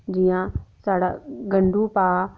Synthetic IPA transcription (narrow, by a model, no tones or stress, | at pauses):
d͡ʒɪjãːsaːɽaːɡəɳɖuːpaː